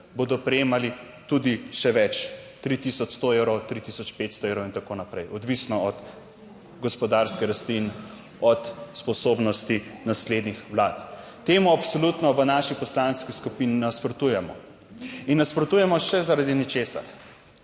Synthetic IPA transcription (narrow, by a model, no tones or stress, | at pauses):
boːd̪ɔpɾɛjeːmali | t̪ud̪iʃɛʋɛt͡ʃt̪ɾit̪isɔt͡ʃst̪oewɾɔwt̪ɾit̪isɔt͡ʃpet̪st̪ɔewɾɔwint̪akonapɾɛjɔd̪ʋisnɔɔt̪ | ɡɔspɔd̪aɾskɛɾast̪lin | ɔt̪spɔsoːbnɔst̪inasled̪nixʋlaːt̪ | t̪emuapsɔlut̪nɔʋənaʃipɔslanskiskupininaspɾɔt̪ujɛmɔ̰ | inːaspɾɔt̪ujɛmɔʃɛzaɾad̪inɛt͡ʃeːsa̰ɾ